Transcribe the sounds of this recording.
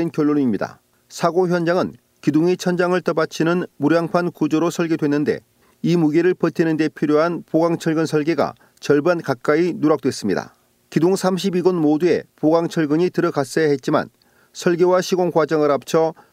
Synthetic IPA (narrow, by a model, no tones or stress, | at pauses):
enkjʌɭːonimɲida̰ | sʰaɡoçjʌnd͡ʑaŋɯn | kidoŋit͡ɕʰʌnd͡ʑaŋɯɭt͈ʌbat͡ɕʰinɯnmuɾjaŋpʰankud͡ʑoɾosʰʌɭɡedwe̞nːɯnde̞̰ | imuɡeɾɯɭpʌtʰinɯnde̞pʰiɾjoɦanpoɡaŋt͡ɕʰʌɭɡɯnsʰʌɭɡeɡa̰ | t͡ɕʌɭbankak̚k͈ainuɾak̚t͈we̞s͈ɯmɲida̰ | kidoŋsʰamɕʰibiɡʌnmodue̞̰poɡaŋt͡ɕʰʌɭɡɯɲitɯɾʌɡas͈ʌjaɦe̞t̚t͡ɕ͈ima̰n | sʰʌɭɡewaɕʰiɡoŋkwad͡ʑʌŋɯɾap̚t͡ɕʰʌ